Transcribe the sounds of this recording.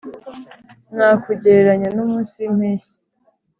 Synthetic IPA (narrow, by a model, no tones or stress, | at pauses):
nakuɟeɾeɾaɲanumuːsim̥heːʃi̥